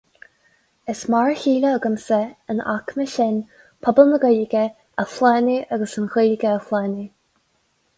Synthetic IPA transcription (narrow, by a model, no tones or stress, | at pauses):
əsmaɹçiːləːɡəmsəəna̰kməʃɪn | pʰɔbəməɡəlɡə | əflɛːniʔaɡəsənɣələɡəəflɛːni